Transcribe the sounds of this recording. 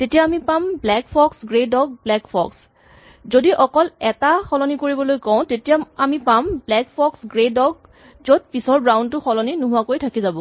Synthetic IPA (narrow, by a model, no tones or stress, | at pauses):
tetijaːmipamblɛkpʰɔksɡɹedɔɡ̚blɛkpʰɔ̰ks | zodiʔɔkɔlɛtaxɔlɔnikoɹibɔlojkɔ̃ʊ̃tetijaamipamblɛkpʰɔksɡɹedɔɡ̚ | zod̚pisɔɹbɹaw̃ndtʊxɔlɔninʊɦʊwakojtʰakizabɔ